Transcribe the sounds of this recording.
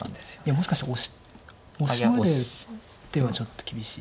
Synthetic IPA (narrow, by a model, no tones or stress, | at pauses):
and̪esojamo̞ɕi̥kaɕi̥oɕ | ooɾe̥ | t̪ːe̞βat͡ɕo̞t̪ːokʲibʲiɕḭː